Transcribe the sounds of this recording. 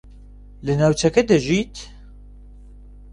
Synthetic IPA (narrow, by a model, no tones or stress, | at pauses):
lɨnawt͡ʃʰɛkɛd̪ɨʒiːt̪